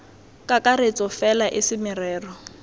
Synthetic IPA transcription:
kʼakʼaɾet͡sʼɔfɛlaʔɪsɪmɪrɛːrɔ

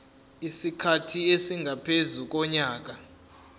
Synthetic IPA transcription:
isikʰatʰiesiŋɡʱapʰezuk̬ɔɲaːk̬a

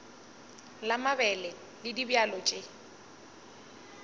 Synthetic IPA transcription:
lamabɛlɛ | lɪdibjalɔt͡ʃʼe

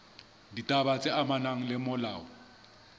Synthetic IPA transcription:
ditʼabat͡sʼɪamanaŋ̩lɪmʊlaːɔ

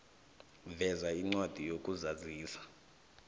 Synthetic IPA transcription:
vɛzaiŋ͡ǀwad̥ʱijokʼuzaziːsḁ

